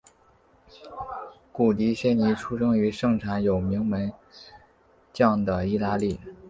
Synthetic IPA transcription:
ku˨˩t̪i˧˥ɕjɛ˥nni˧˥ʈ͡ʂʰu˥ʂɤ˥ŋy˧˥ʂɤ˥˩ŋʈ͡ʂʰa˧˥njo˨˩ʊmi˧˥ŋmə˧˥n | t͡ɕjɑ˥˩ŋd̪ə˩i˥˧t̪a˥li˥˩

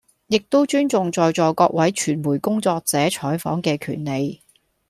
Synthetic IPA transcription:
jɪ˨k̚t̪o˥wt͡ʃyː˥nt͡sʊ˨ŋt͡sɔː˨jt͡sɔː˨jkɔː˧k̚wɐ˨˥jt͡ʃʰyː˨˩nmuː˨˩jkʊ˥ŋt͡sɔː˧k̚t͡sɛː˨˥t͡ʃʰɔː˨˥jfɔ̰ː˨˥ŋkɛː˧kʰy̰ː˨˩nle˨˧j

